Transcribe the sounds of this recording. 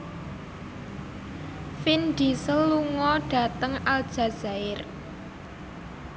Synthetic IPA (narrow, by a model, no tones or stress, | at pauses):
finɖ̥isəlːuŋɔɖ̥ä̤t̪əŋald̥ʒ̥ä̤z̥a̤ɪr